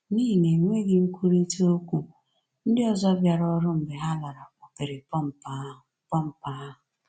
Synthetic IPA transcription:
niː˦˨ŋe˨ŋʷe˦ɡɪ˦ŋ̩˦kʷu˦ɾi˦to˦kʷu˨ | n̩˦dɪ˦ɔ˨zɔ˦bja˨ɾɔ˦ɾʊ˦m̩˨bɪ˨ɦa˦la˨ɾa˨kʷɔ˨pe˨ɾɪ˨˦m̩˨˦ | pɔ˦m̩˨pa˨˦a˦ɦʊ˨

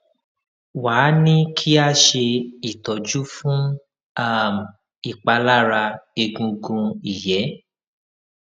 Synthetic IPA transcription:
waː˨˦nĩ˦kʰi˦a˦ʃe˧i˨tɔ˨d͡ʒu˦fũ˦ | a˦˨m˨ | i˨k͡pa˧la˦˨ɾa˧e˧ɡũ˧ɡũ˧i˨jɛ˨˦

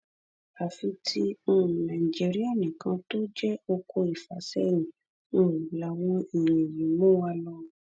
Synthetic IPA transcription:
a˨fi˧tʰi˦ũ˦˨nã˨i˨d͡ʒi˦ɾi˦a˦˨nĩ˨kã˧to˦d͡ʒɛ˦o˧ko˧i˨fa˨˦sɛ˦jĩ˨ | ũ˦˨la˨˦w̃ɔ̃˧i˨ɲ̃ẽ˨jĩ˨˦mõ˦wa˧lɔ˧˨

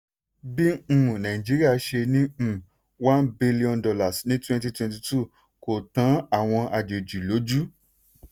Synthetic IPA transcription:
bĩ˦˨nã˨ĩ˨d͡ʒi˨˦ɾi˦a˦˧ʃe˧nĩ˦˨ | wã˦nbi˧li˦ɔ̃˧ndɔ˧la˨snĩ˦twɛ̃˧nti˧twɛ̃˧nti˧tu˦˨ | ko˨tã˨˦a˨w̃ɔ̃˧ʔa˧d͡ʒe˨d͡ʒi˨lo˨˦d͡ʒu˦

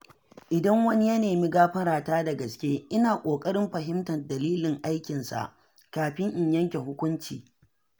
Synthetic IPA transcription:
ʔɪ˨dɐ˦ŋwɐ˦ni˦jɐ˦neː˨mi˦ɡaː˦ɸɐ˦ɾaː˨taː˦dɐ˨ɡɐ˨skʲeː˦ʔɪ˦naː˨kʷʼoː˨kʼɐ˦ɽɪ˦mɸɐ˨ɦɪ˦mtɐ˨dɐ˨liː˦lɪ˨ŋʔa˦jkʲɪ˨nsa̰˨ʔ | kaː˨ɸɪ˦ŋʔɪ˨ɲjɐ˦ŋkʲe˨ɦʊ˦kʷʊ˦nt͡ʃḭː˨

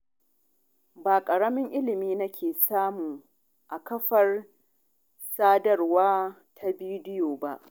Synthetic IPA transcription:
baː˨kʼɐ˨ɽɐ˦mɪ˦ŋʔɪ˦lɪ˨miː˦nɐ˦kʲʰeː˨saː˦muː˨ | ʔa˨kɐ˦ɸɐ˨r | saː˦dɐ˦˨rwaː˦ | tʰa˦biː˦dɪ˦joː˨ba˦ʔ

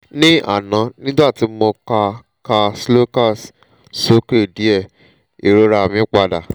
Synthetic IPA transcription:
nĩ˦a̰˦˨nã˨˦nĩ˦da˦˨ti˨˦mo˧ka˧ | ka˧slo˦ka˦˨s | so˦ke˦˨di˨˦ɛ˦˨ | e˨ɾo˦ɾa˧˨mĩ˨˦k͡pa˧da˨

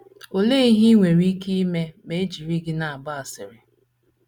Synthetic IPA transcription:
o˨le˦i˦ɦi˦ŋʷe˨ɾi˦ki˦i˦me˦me˦d͡ʒi˨ɾi˦ɡɪ˦na˨a˨ba˦a˨sɪ̰˨ɾɪ˨

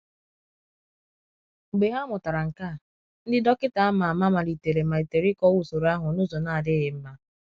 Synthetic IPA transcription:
ŋ͡m̩˨ɡ͡be˨ɦa˦mʊ˨ta˨ɾa˨ŋ̩˨ka˦˨ | n̩˦dɪ˦dɔ˦kɪ˦ta˨a˦ma˨a˨ma˦ma˨li˨te˨ɾe˨ma˨i˨te˨ɾɪ˦kɔ˦wu˨so˨ɾa˦ɦʊ˨nʊ˦zo˨na˦˨a˨dɪ˦ɣɪ˨m̩˦ma˦

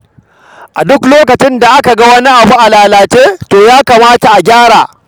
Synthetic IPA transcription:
ʔa˨dʊ˦kloː˦kɐ˨t͡ʃɪ˦nda˨ʔa˦ka˨ɡɐ˦wɐ˦ni˦ʔa˨buː˦ʔa˨laː˨laː˨t͡ʃeː˦toː˨jaː˦kaː˨maː˦ta˨ʔa˨ɡʲaː˦ɽaː˨

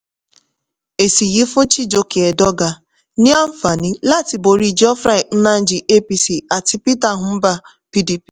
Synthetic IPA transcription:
e˨si˨ɣi˦fʊ˦t͡ʃi˦d͡ʒo˨ke˨e˨dɔ˦ɡa˨ | ni˦a˦m̩˦fa˨ni˦la˦˨ti˨bo˨ɾi˨d͡ʒɔ˦fɾa˦ɪ˨n̩˦na˦n̩˦d͡ʒi˨ʔe˦pi˦si˦a˨tɪ˦pi˦ta˨ɦʊ˨m̩˦ba˦ | pi˦di˦pi̥˨

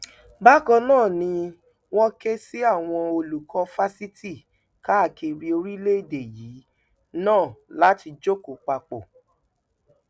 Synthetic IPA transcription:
ba˦kɔ̃˧nãː˦˨nĩ˧ | wɔ̃˦ke˦si˦a˦˨w̃ɔ̃˧o˧lu˨kʰɔ˧fa˦si˦ti˦˨ | ka˦˨ke˧ɾi˧o˧ɾi˦le˦i˦˨de˨jiː˨˦ | nãː˦˨la˨˦ti˧d͡ʒo˦ko˨k͡pa˧k͡po˨

